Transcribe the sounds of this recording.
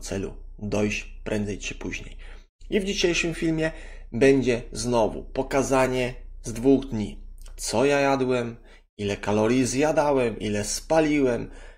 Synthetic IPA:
t̪sɛlṵ | d̪ɔjɕ | pɾʔɛnd̪zɛjt͡ʂɘ̥puʑɲḛj | ivd͡ʑiɕejʂɨmfʲilmʲjɛ | bɛɲd͡ʑɛznɔvṵpɔkazaɲɛzd̪vuɣd̪ɲit̪sɔjajad̪wɛm | ilɛkalɔɾʲjizjad̪awɛmʔḭlɛspalʲiwɛm

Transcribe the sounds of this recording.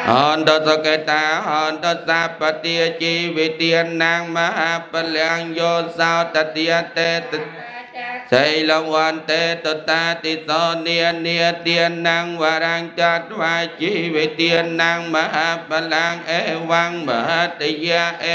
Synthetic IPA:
hɔnt̪ɔsɔket̪aːɦɔːnt̪ɔsapːat̪iət͡ɕiʋit̪iənːaŋmaɦapːalaŋjosawt̪at̪iət̪eː | səjlɔŋʋant̪et̪ot̪at̪isɔniəniət̪iənːaŋʋaɾaŋt̪at̪̚ʋajt͡ɕiʋit̪iənːaŋmaɦapːalaŋʔeʋaŋmaɦat̪əjaʔe

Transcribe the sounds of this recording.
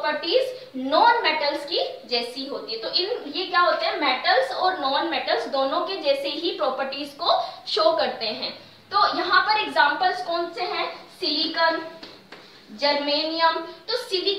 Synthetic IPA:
pəɾʈiːz | nɔːnmɛːʈəlski | d͡ʒɛːsiɦoːt̪iɦɛ̃t̪oʔɪnjekjaːɦoːt̪eɦɛ̃mɛːʈəlzɔːɾnɔːnmɛːʈəlzd̪oːnõked͡ʒɛːseɦipɾɔːpəɾʈiːzkoʃoːkɐɾt̪eɦɛ̃ː | t̪oːjɐɦãpɐɾeɡzãːmpəlzkɔːnseɦɛ̃siikəm | d͡ʒɐɾmeːnijəmt̪osidi

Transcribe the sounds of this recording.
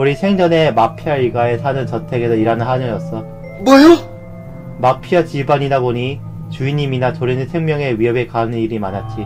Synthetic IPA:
oɾisʰe̞ŋd͡ʑʌne̞mapʰiaiɭɡae̞sʰanɯnt͡ɕʌtʰe̞ɡesoiɾanɯnɦanʌjʌs͈ʌ | bwʌjo | mapʰiat͡ɕibaɲidaboɲi | t͡ɕuiɲiminatoɾinɯnsʰe̞ŋmjʌŋe̞ɥiɦʌbe̞kanɯniɾimanat̚t͡ɕ͈i

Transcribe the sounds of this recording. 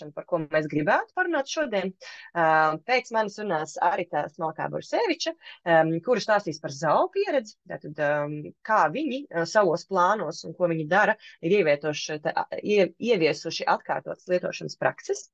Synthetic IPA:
anpaɾkuɔmɛːsɡɾibæːt̪u̥paɾunaːt̪ʃuɔd̪iɛn | pɛːt̪smansunaːsa̰ɾit̪aːsmalˠka̰ːbɔ̰ɾseːʋit͡ʃɐkuɾust̪aːst̪iːspaɾzawpiɛɾɛd̪zit̪a̰ːt̪ad̪kaːviɲisaʋuɔsplˠɑːnuɔsunkuɔviɲid̪aɾɐiɾiɛʋʲiɛt̪uɔʃt̪iiɛviɛsuʃiʔat̪kɑːɾt̪uɔt̪slˠiɛt̪uɔːʃanəspɾa̰ksɛs

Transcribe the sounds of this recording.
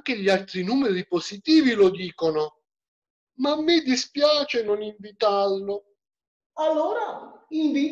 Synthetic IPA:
ŋk̟ɪʎialt̪ɾinuːmɛɾipozit̪iːvilod̪iːkonʊ | mamːɪd̪ispjaːt͡ʃenʊniɱvit̪arlʊ | alːoːɾaiɱviː

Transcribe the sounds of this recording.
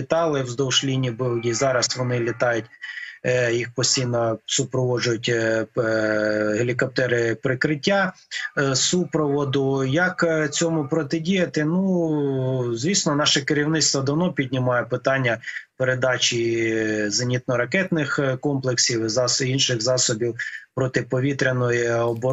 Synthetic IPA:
it̪ɑlˠɪwzd̪ɔwʃlʲinʲibɪwdʲizɑɾɐsʋɔnɪlʲit̪ɑjʊtʲ | jixpɔsʲtʲijnɐsʊpɾɔʋɔʒʊjʊtʲ | ɦelʲikɔp̚t̪ɛɾɪpɾɪkɾɪtʲːa | supɾɔʋɔd̪ʊjɐkt͡sʲɔmʊpɾɔt̪ɪdʲijɐt̪ɪnu | zʲʋʲisnɔnɑʃɛkeɾʲiwnɪt̪st̪ʋɐd̪ɐwn̪ɔpʲidʲnʲimɑjɛpɪt̪ɑnʲːɐpeɾed̪ɑt͡ʃʲi | zɐnʲit̪̚nɔɾɐkɛt̪nɪxkɔmplˠeksʲiwɪzɑsinʃɪɣzɑsɔbʲiwpɾɔt̪ɪpɔʋʲit̪ɾʲenɔjiɔbɔ

